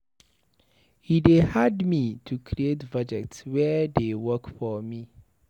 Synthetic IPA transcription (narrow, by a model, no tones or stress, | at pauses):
hidehadmĩtʰukʰɾietvad͡ʒɛk̚tswɛdewɜkfɔmĩ